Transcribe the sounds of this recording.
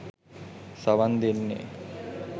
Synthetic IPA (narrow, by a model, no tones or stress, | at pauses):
saʋand̪enːḛ